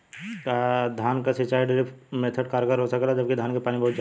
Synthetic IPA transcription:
kad̪ʱaːnkasɪt͡ʃaːiɖɪɾɪpʰmeːt̪ʰəɖkaːɾɡəɾɦosəklad͡ʒɐb̚kid̪ʱaːnkepaːnibɐɦʊt̪d͡ʒ

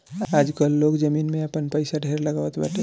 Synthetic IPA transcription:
aːd͡ʒkəlːoːɡd͡ʒəmiːnmẽɐpənpəɪsaɖʱeːɾlɐɡaːʋət̪bɛ̰ːʈʰe

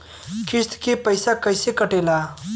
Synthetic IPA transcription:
kɪst̪kepəɪsakəɪsekəʈeːlaː

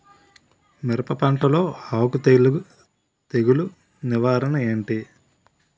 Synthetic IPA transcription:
mɛɾɐpɐpɐɳʈɐlo̞ːhawkut̪ | t̪eɡulu | niʋaːɾɐnɐe̞ːɳʈi

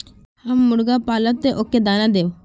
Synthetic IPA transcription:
hɐmːʊɽɡapaːlət̪ːeʔoːkːed̪aːnad̪eːʋ

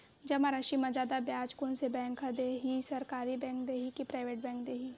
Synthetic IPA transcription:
d͡ʒɐmaɾaʃimad͡ʒaːd̪abjaːt͡ʃkõnsebɛ̃ːŋkad̪eːɦisɐɾkaːɾibɛ̃ːŋk̚d̪eːɦikipɾaːɪʋeːʈbɛ̃ːŋkd̪eːɦi

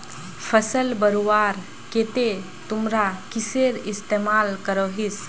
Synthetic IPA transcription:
pʰəsəlbəɾuʋaːɾ | ket̪e | t̪ʊmɾakɪseɾɪst̪emaːlkəɾoɦis

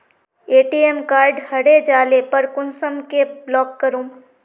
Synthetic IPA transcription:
eːʈiemkaːɾɖhɐɽed͡ʒaːlepɐɾkʊnsəmkeblɔːkːəɾũː

